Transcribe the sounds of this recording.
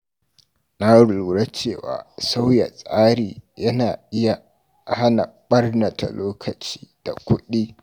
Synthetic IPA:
na˦ɽʊ˨luː˨ɽa˦t͡ʃeː˦˨wa̰ː˨sa˦wja˨sʼaː˦ɽiː˨jɐ˦naː˨ʔɪ˦ja˨ | ha˦na̰˨ɓɐ˦rnɐ˨ta̰˨loː˦kʰɐ˨t͡ʃi̥ː˦d̥a̰˨kʷʊ˦ɗi˦

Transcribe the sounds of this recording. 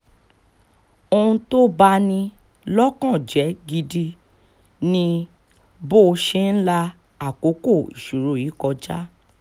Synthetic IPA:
o˧ũ˧to˦ba˦nĩ˧ | lɔ˦kã˦˨d͡ʒɛ˨˦ɡi˧di˧ | nĩ˧ | bo˦˧ʃe˧˦n̩˦la˧ | a˨ko˨˦ko˦˨ḭ˨ʃu˨ɾo˨˦˨i˨˦kɔ˧d͡ʒa˦

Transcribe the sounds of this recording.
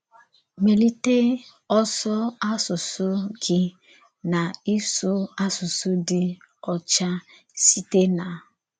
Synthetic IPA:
me˨li˦te˦ | ɔ˦sɔ˦a˦sʊ˨sʊ˦ɡɪ˦ | na˨i˦sʊ˦a˦sʊ˨sʊ˦dɪ˦ | ɔ˨t͡ʃa˦ | si˦te˦na˨

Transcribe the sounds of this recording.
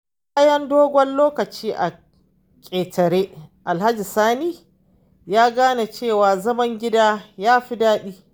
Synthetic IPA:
baː˦jɐ˦ndoː˦ɡʷɔ˦nloː˦kɐ˨t͡ʃiː˦ʔa̰˨ | kʲʼeː˨tʰɐ˨ɾeː˦ʔa˨lha˦d͡ʒi˨saː˦niː˦ | jaː˦ɡaː˦na˨t͡ʃeː˦˨waː˨zɐ˦mɐ˦ŋɡʲɪ˦daː˦jaː˦ɸi˦daː˦ɗiː˦

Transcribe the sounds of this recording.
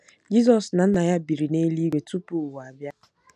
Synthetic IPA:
d͡ʒi˦zɔ˨sna˨n̩˦na˨ja˦bi˨ɾi˨ne˦li˦ɡʷe˨tu˦pu˦˨wa˨bja˦

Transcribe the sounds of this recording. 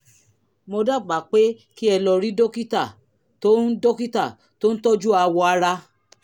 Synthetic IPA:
mo˧da˦˨k͡pa˨k͡pe˦ | ki˦ɛ˧lɔ˧ɾi˦do˦ki˦ta˦˨ | to˦n̩˦do˦ki˦ta˦˨ | to˦n̩˦tɔ˦d͡ʒu˦a˧wɔ˧a˧ɾa˧

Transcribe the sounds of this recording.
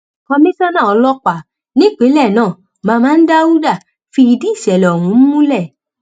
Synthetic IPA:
ɔ˧mĩ˦sɔ˦nã˦˨ɔ˧lɔ˦k͡pa˨ | nĩ˦k͡pe˨˦lɛ˦˨nãː˦˨ | mãː˧mãː˦˧n̩˦da˦wu˦da˦˨ | fi˧i˧di˦i˦˨ʃɛ˨lɛ˨ɔ˨w̃ũ˨˦m̩˦mũ˦lɛ˦˨

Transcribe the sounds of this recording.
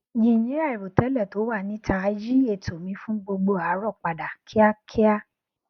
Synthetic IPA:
jĩ˨jĩ˨˦ɾa˦˨i˨ɾo˨tɛ˨˦lɛ˦˨to˨˦wa˦˨nĩ˨˦tʰa˧˦d͡ʒi˦e˦˨tʰo˨mĩ˧˦fũ˦ɡ͡bo˧ɡ͡bo˧a˨˦ɾɔ˦˨k͡pa˨da˨kʰi˦a˦kʰi˦a˦

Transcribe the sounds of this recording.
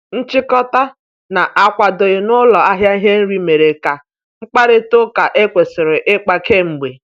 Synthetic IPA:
n̩˦t͡ʃɪ˦kɔ˦ta˦ | na˨ʔa˨kʷa˨do˨ɪ˨nʊ˦lɔ˨a˦ɦja˦i˦ɦe˦n̩˦ɾi˦me˨ɾe˨ka˨ | ŋ͡m̩˦k͡pa˦ɾɪ˦to˦ka˨ʔe˦kʷe˨sɪ˨ɾɪ˨ʔɪ˦k͡pa˨ke˦ŋ͡m̩˨ɡ͡be˨

